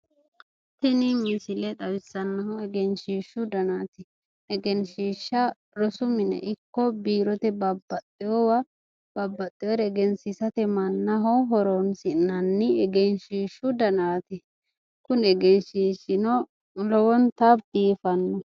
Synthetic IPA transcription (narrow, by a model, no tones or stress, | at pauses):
t̪ːɪnɪmɪsɪlɛt̪ɐwɪsːɐnːɐhɔɛɡɛnʃiːʃːʊd̪ɐnaːt̪ɪ | ɛɡɛnʃiːʃːɐ | ɾɔsʊmɪnɛ̰ʔɪkːɔbiːɾɔt̪ɛbɐbːɐt̪ʼːɪjɔwɐ | b̥ɐbːɐt̪ʼːɪjɔɾɛɛɡɛnsɪsɐt̪ɛmɐnːɐɦɔɦɔɾɔnsɪnɐnːɪɛɡɛnʃiːʃːʊd̪ɐnaːt̪ɪ | kʊnɛɡɛnʃiːʃɪnɔ | lɔwɔnt̪ɐbd̪̥iːfɐnːɔ